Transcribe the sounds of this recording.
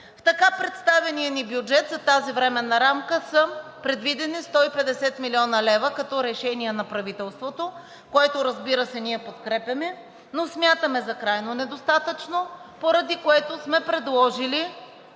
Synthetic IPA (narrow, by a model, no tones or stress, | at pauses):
ft̪ɐkapɾɛt̪st̪avɛnijənibjud͡ʒɛt̪zɐt̪azivɾɛmɛnɐɾamkəsəpɾɛd̪vid̪ɛnist̪ɔipɛd̪ɛsɛt̪milʲiɔnɐlɛvəkɐt̪ɔɾɛʃɛniɛnɐpɾɐvit̪ɛlˠst̪vot̪o | koɛt̪oɾɐzbiɾəsɛniɛpot̪kɾɛpʲɐmɛ | nosmʲjat̪əmɛzɐkɾajnonɛd̪ost̪at̪ət͡ʃnopoɾɐd̪ikoɛt̪osmɛpɾɛd̪lˠɔʒili